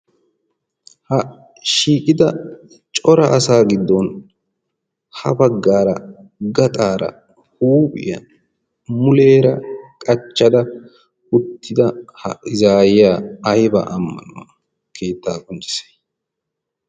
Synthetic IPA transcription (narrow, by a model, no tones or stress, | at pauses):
hɐ | ʃiːkʼɪd̪ɐ | t͡ʃʼɔɾɐʔɐsaːɡɪd̪ːɔn | hɐ̰bɐɡːaːɾɐɡɐt̪ʼaːɾɐ̰ | huːpʼɪ̰jɐ̰ | mʊle̞ːɾɐkʼɐt͡ʃːɐd̪ɐ | ʊt̪ʰːɪd̪ɐhɐ̰ɪzaːjɪjaːɐjbɐ̰ʔmːɐ̰nʊwɐ | kʰe̞ːt̪ːaːkʼɔnt͡ʃʼɪ̥se̥